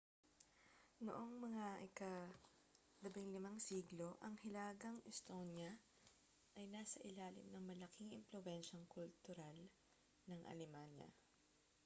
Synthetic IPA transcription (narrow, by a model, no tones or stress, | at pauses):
no̰ʔoŋmɐŋaʔɪkɐ | lɐbɪŋlɪmaŋsiːɡlo̞ʔɐŋhɪlaːɡɐŋʔɪst̪onjɐ | ʔɐjnaːsɐʔɪlaːlɪ̰mnɐŋmɐlɐkiŋɪ̰mplowɛnʃɐŋkʊlt̪ʊɾal | nɐŋʔɐ̰lɛmanjɐ̰